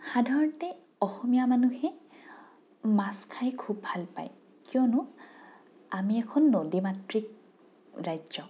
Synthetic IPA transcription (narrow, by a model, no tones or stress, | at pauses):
xadʱaɹɔntɛ | ɔxɔmijamanuhɛ | maskʰajkʰub̚bʱalpa̰j | kijɔnʊ | amiɛkʰɔnːodimatɹik | ɹajzɔ